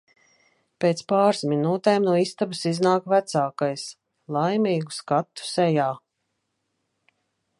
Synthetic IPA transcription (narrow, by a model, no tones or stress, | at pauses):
peːt̪spaːɾsminuːt̪eːmnuɔist̪absiznaːkvæt̪saːkajs | lˠajmiːɡu̥skat̪ːu̥sɛjaː